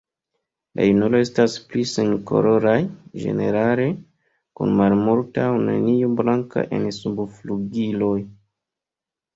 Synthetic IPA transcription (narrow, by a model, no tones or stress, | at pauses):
la̰junoloe̞staspliseŋko̞̰ɾo̞ɾajd͡ʒe̞̰ne̞ɾale̞ | kṵnmalmoɾtawnḛnioblaŋka̰ʔe̞̰nsubfluɡilo̞j